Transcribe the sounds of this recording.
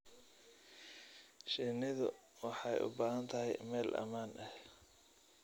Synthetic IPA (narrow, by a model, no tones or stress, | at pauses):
ʃɪnɪðʊ | wɑħɑjʔʊ̰baːhɐnt̪ʰɐɦɛjmɛːlʔɐ̰maːnʔɐh